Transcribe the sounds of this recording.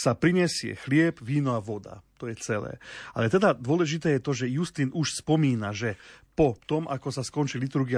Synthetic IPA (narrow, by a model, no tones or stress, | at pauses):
sapɾiɲɛsɪɛ̰xlɪɛbʋiːnɔaʋɔd̪a̰t̪ɔjɛt͡sɛlɛ̰ːa̰lɛt̪ɛd̪ad̪ʊɔlɛʒit̪ɛːjɛt̪ɔʒɛjust̪iːnuʃspɔmiːnaʒɛpɔt̪ɔmʔa̰kɔsaskɔnt͡ʃilit̪uɾɡia